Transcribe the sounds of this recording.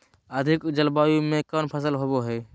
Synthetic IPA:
əd̪ʱɪkd͡ʒəlbaːjũmẽkənpʰəs̬əlɦoboɦeː

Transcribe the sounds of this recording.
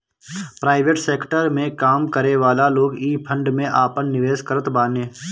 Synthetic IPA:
pɾaːɪʋeʈseːkʈəɾmẽkaːmkəɾeʋaːlaloːɡiːpʰə̃ɳɖmẽʔaːpənːɪʋeːskəɾət̪baːnẽː

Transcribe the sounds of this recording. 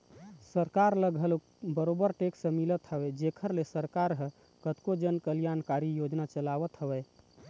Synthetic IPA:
səɾkaɾləɡʱəlo | bəɾobəɾʈeksə̃milət̪ɦəbɛd͡ʒekʰəɾlesəɾkaɾɦ | kət̪kod͡ʒənkəljankaɾijod͡ʒnat͡ʃəlaβət̪ɦəbɛ

